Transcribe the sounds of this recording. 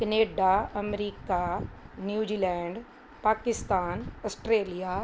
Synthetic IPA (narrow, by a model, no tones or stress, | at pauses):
kɐneːɖaɐmɾiːkanjuːd͡ʒiːlɛ̃ːɳɖ | paːkɪst̪aːnɐsʈɾeːlija